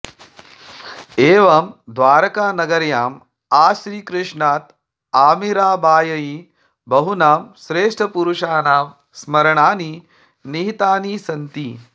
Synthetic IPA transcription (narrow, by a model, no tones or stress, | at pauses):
eːʋɐmd̪ʋaːɾɐkaːnɐɡɐɾjaːm | aːʃɾiːkɾɪʂɳaːt̪ | aːmiɾaːbaːjɐji | bɐɦunaːmʃɾeːʂʈʰɐpuɾuʂaːnaːm | smɐɾɐɳaːni | niɦit̪aːnisɐnt̪i